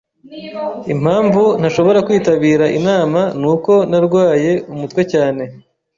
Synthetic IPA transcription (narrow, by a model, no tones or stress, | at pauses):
im̥aːɱvun̥aʃo̞βo̞ɾakwiːtaβiːɾaʔinaːmanuːko̞naɾɡwaːje̞umutwe̞caːne̞